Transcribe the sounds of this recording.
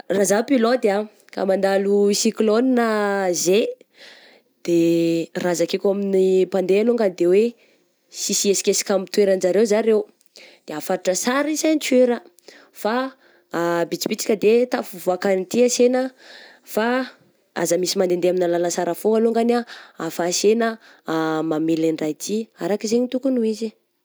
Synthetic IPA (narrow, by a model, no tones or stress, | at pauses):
razapilod̪a | ka̰mand̪alusikloninəze | d̪̥erazakikʲaminipand̪ealoŋɡand̪ewe | sisiesi̥kesi̥kʲamit̪ueɾand͡ʒaɾewzaɾew | d̪̥eafaɾuʈ͡ʂəsaɾisant͡sueɾə | fa | bit͡si̥pit͡sḁkʲəd̪et̪afuvuakanit̪iasenə | fa | a̰zəmisimand̪end̪eaminalalasaɾafoaluŋɡanaafasenə | mameliɳrajt̪ʰiaɾakizeɲit̪ukunuizi